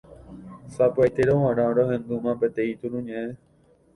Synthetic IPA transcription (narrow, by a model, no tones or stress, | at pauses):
sapɯajt̪eɾoɦãɾ̃ãɾoɦẽnd̪umãpet̪ẽit̪uɾũɲẽʔẽ